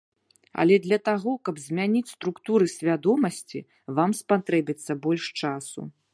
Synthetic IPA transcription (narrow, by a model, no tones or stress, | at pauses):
ɐ̰lʲɛd̪lʲɐt̪aɣɔkɐbzʲmʲanʲit͡sʲst̪ɾukt̪uɾɨsʲvʲad̪ɔmɐsʲt͡sʲḭ | vamspat̪ɾɛbʲit̪sːɐbɔlʲʂt͡ʂasṵ